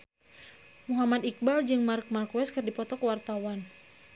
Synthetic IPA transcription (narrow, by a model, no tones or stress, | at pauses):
muɦamad̪ik̚bald͡ʒɨŋmark̚markwɛskɨrdipɔt̪ɔkəwart̪awan